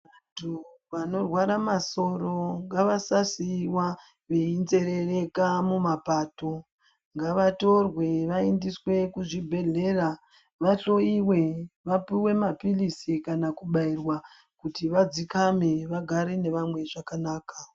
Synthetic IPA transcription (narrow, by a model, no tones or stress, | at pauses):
antʰu | ʋano̞rwaɾamaso̞ɾo̞ŋɡaʋasasiwa | ʋeinze̞ɾe̞re̞kamumapaːto̞ | ŋɡaʋato̞rwe̞ʋaendiswe̞kuʐibʱe̞ɮe̞ːra | ʋaɬo̞iwe̞ʋapiwe̞mapilisikanakuɓairwa | kutiʋad͡zikame̞ʋaɡʱaɾene̞ʋamwe̞ʐakanaːka